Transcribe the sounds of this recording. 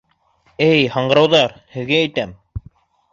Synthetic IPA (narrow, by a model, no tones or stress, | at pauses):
æjhɑɴɢɤ̆ɾɑwðɑɾhɘ̆ðɡæːjt̪æm